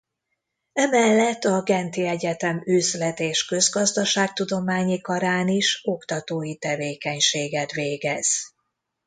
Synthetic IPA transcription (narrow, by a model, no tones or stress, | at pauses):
ɛmɛlːɛt̪ːɒɡɛnt̪iɛɟɛt̪ɛmøːzlɛt̪eːʃkø̞zɡɒzd̪ɒʃaːk̚t̪ud̪o̞maːɲikɒɾaːniʃo̞kt̪ɒt̪oːjit̪ɛveːkɛɲʃeːɡɛt̪ʋeːɡɛz̥